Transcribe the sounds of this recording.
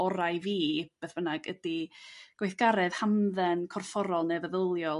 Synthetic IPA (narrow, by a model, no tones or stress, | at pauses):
ɔɾajviːb̥eθv̥ənaɡədiɡ̥wejθɡ̥aɾɛð̥hamðɛnkʰɔrfɔɾɔlˠnɛvəðəlˠjɔ